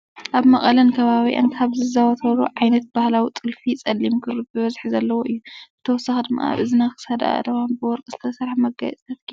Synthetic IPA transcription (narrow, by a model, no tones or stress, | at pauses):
ʔaβmɐχʼɐlɐnkʰɐβaβiʔa̰nkʰaβzɨzawɐt̪ʰɐɾuʕajnɐt̪̚b̥ahlawit̪ʼɨlfit͡sʼɐlːimkʰɨɾɨbɨβɐzħzɐlːɐwoʔɨjːubɨt̪ʰɐwɔsːaxd̪ɨmːa̰a̰βɨzɨnaxɨ̥sɐd̪a̰d̪ɐwanbɨwɔɾkʼz̥ɨ̥t̪ʰɐsɾaħmɐɡajɛt͡sʼɐf